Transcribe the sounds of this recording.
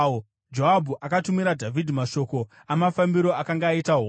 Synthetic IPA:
d͡ʒoɦabʱuʔakatumiɾadʱavʱidʱimaʃo̞ko̞ | amafambiɾo̞akaŋɡaːitaɦo

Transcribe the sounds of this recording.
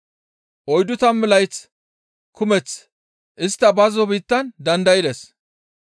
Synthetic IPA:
ʔɔjd̪ʊt̪ɐmmɪlɐjt͡s | kʊmɛt͡s | ʔɪst̪ːɐbɐzɔbiːt̪ːɐnd̪ɐnd̪ɐjɪd̪es

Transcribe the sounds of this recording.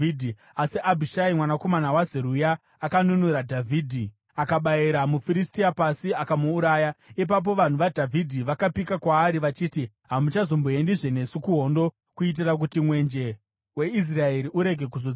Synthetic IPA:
idʱi | asiʔabʱiʃaimwanako̞manawazeɾujaː | kanunuɾadʱavʱiːdʱi | akaɓaiɾamufiɾistiapasiakamuːɾaːjaip̬ap̬o̞ʋan̤uʋadʱavʱidʱiʋakapikakwaːɾiʋat͡ʃiːti | ɦamut͡ʃazo̞mboe̞ndiʐe̞ne̞sukuɦo̞ndo̞ | kuit̬irak̬utimwe̞nd͡ʒe̞ | we̞is̬raeɾiʔuɾe̞ɡʱe̞kuzo

